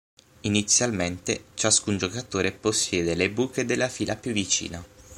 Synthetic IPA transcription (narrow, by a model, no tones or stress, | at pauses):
init̪sːjalment̪et͡ʃaskund͡ʒokat̪oːɾeposːjɛːd̪elebuːked̪elːafiːlʔapjuvːit͡ʃḭːna